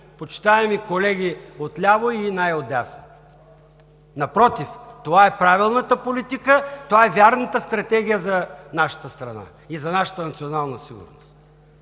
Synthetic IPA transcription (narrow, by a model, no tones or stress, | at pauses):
pot͡ʃi̥t̪aɛmikolɛɡ̟ʲiot̪lʲavoinajod̪asno | nɐpɾɔt̪ift̪ovaɛpɾavilˠnət̪əpolit̪ikət̪ovaɛvʲjaɾnət̪əst̪ɾɐt̪ɛɡʲijəzɐnaʃə̥t̪əst̪ɾɐna̰ | izɐnaʃə̥t̪ənɐt̪sionalˠnəsiɡʊ̰ɾnost̪